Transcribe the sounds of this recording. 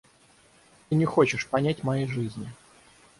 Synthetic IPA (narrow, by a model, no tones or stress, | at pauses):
t̪ɨnʲɪxot͡ɕɪʂpɐnʲætʲmɐjejʐɨzʲnʲɪ